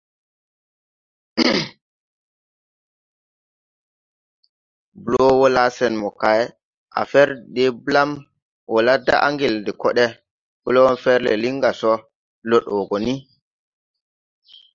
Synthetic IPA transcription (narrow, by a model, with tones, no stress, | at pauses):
bu˨lɔ˦wɔ˦la˦sɛ˨nmɔ˨ka˨jɛ | ʔa̰˨fɛ˦ɾɗɛ˦bla˦m | wɔ˨la˦da̰˦ʔa̰˦ŋɡi˨ldɛ˨kɔ˦ɗɛ˦ | b̥u˦lɔ˦wɔ˦nfɛ˦ɾlɛ̰˨li˦ŋɡa˨sɔ˦ | lɔ˦ɗɔ˨ɡɔ˨ni˦